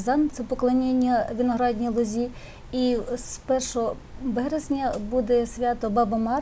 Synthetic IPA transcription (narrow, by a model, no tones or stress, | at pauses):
zɑnt̪sɛpɔklˠɐnʲenʲːɐʋʲinɔɦɾɑdʲnʲijlˠɔzʲi | ispɛrʃɔ | bɛɦɾezʲnʲɐbud̪ɛsʲʋʲɑt̪ɔbɑbɐmɑ